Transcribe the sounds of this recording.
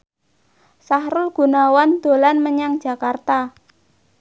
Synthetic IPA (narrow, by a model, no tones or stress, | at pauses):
sahɾʊlɡ̥ṳnawand̪̥o̤lanməɲaŋd̥ʒ̥a̤kart̪a